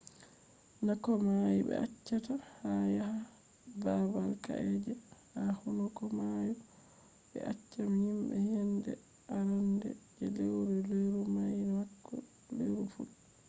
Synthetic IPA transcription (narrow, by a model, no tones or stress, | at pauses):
nakɔmajiɓɛ̰ʔat͡ʃːatahajaɦa | babalka̰ʔɛd͡ʒɛhahɔnɔkɔmaju | ɓɛ̰ʔat͡ʃːamhimbɛ̰hɛndɛ̰ | ʔaɾandɛ̰d͡ʒɛlewɾɛleɾumajdɛmakːɔ̰ | leɾufṵl